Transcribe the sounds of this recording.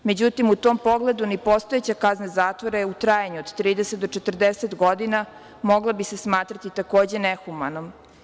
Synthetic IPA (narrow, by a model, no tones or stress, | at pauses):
me̞d͡ʑut̪imut̪o̞mpo̞ɡle̞d̪unipost̪oet͡ɕakaznazaːt̪voɾeut̪ɾaːjaɲuod̪̥t̪ɾiːd̪eset̪d̪ot͡ʂet̪ər̩d̪eset̪ɡo̞d̪ina | mo̞ɡlˠabise̞smaːt̪ɾat̪it̪ako̞ːd͡ʑe̞nexumano̞m